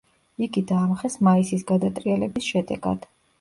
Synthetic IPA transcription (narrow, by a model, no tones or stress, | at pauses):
iɡid̪aːmχɛsmaisisɡad̪at̪ʼɾialɛbisʃɛd̪ɛ̰ɡa̰d̪̥